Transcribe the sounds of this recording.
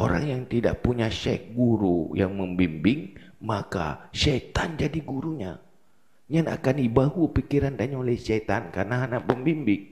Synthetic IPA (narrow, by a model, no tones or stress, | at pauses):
ʔoɾa̰ŋjaŋt̪ida̰ʔpuɲaʃɛ̰k̚ɡuɾujaŋməmbimbɪŋmaka̰ʃɛt̪and͡ʒadiɡuɾuɲa | ɲana̰kanibahupikiɾand̪aɲaolɛhʃɛt̪ankarnaɦanapəmbimbɪŋ